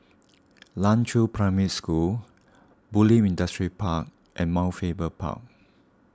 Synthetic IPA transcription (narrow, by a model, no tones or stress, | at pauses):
lãnt͡ʃʰupʰɹaɪmitskul | bulĩmĩndəstɹipʰak̚ | ʔɛ̃nmaʊfebəpʰa̰k̚